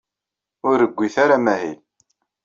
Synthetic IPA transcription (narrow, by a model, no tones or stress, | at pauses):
ʊɾːəɡʷːiθaɾamæɦil